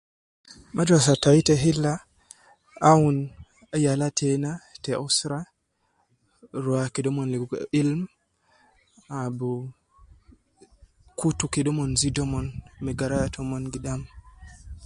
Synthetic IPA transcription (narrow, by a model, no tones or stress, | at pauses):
mʔad͡ʒas̬atajtɛɦilːa | awun | ajalatʰɛnatɛʔɔsɾa | ɾɔakiɗɔmɔnliɡilm | abu | kutukiɗɔmɔnzidɔmɔnmɛɡaɾajatʰɔmɔnɡiɗam